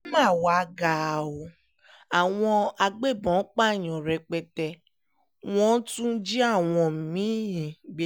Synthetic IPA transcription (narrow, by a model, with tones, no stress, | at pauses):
mãː˦˨wa˦ɡa˨o˨ | a˨w̃ɔ̃˧a˧ɡ͡be˦˨bɔ̃˨˦k͡pa˦˨ɲ̃ɔ̃˨ɾɛ˧k͡pɛ˧tɛ˧ | w̃ɔ̃˦tũ˦d͡ʒi˦a˦˨w̃ɔ̃˧m˨mĩ˨˦ĩ˨ɡ͡be˦